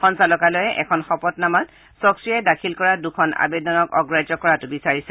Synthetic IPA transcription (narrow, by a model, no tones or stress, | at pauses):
xɔnsalɔkalɔjɛʔɛkʰɔnxɔpɔtnamat | sɔksiadakʰilkɔɹadukʰɔna̰bedɔnɔkɔɡɹad͡ʒɔkɔɹatʊbisaɹisɛ